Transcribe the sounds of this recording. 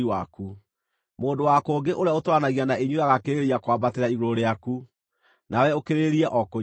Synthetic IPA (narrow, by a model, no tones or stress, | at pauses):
iwaku | moːndowakoːɡeʔoɾeaotwanaɣianaeɲuɾaɣakeɾeɾiakwabateɾaiɣoɾeaku | nawɛokeɾeɾiɛʔɔko